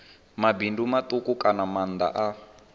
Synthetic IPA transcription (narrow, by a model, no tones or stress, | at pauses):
mabindumat̪ukukanamand̪a̰ʔa